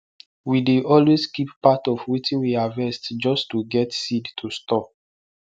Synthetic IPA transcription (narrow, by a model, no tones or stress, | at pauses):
wideʔɔlweskippatɔfwitʰĩnwiavɛstd͡ʒɔstuɡɛtsidtʰustɔ